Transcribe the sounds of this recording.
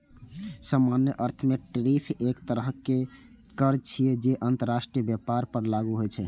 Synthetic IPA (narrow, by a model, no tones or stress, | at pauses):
səmanjəʔəɾt̪ʰmeʈɾipʰekt̪əɾəɦke | kəɾt͡ʃʰijɛd͡ʒeʔənt̪əɾːasʈɾijəbjapaɾpəɾlaɡuɦojt͡ʃʰɛ